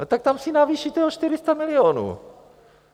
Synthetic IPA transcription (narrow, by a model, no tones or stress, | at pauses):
t̪ak̚t̪amsɪnaviːʃit̪ɛoʃt̪ɪɾɪst̪amɪlɪonṵː